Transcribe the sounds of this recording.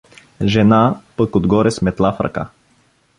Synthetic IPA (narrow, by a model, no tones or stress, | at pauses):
ʒɛnapəkod̪ɡɔɾɛsmɛt̪lˠafɾɐ̰ka̰